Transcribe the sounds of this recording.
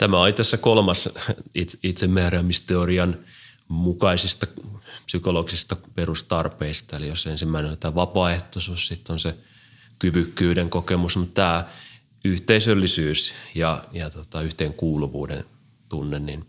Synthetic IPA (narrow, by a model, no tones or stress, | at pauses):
t̪æmæolit̪æsːækolmɑsit̪it̪semːeæːræːmist̪eoriɑn | mukɑisist̪ɑpsykoloɡisist̪ɑperust̪ɑrpeist̪ɑelijosensimːæˑinolit̪æːʋɑpɑeht̪osuːssit̪ːonse | kyʋykːyːdeŋkokemusmut̪t̪æː | yht̪eisølːisyːsjɑjɑt̪ot̪ɑyht̪eːŋkuːluʋṵːdḛn | t̪unːennin